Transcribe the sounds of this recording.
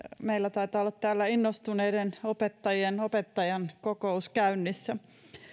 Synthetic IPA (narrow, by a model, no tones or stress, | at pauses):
meilːæt̪ɑit̪ɑːolːɑt̪t̪æːlːæinːost̪uneidenopet̪ːɑjienopet̪ːɑjɑnkokouskæynːisːæ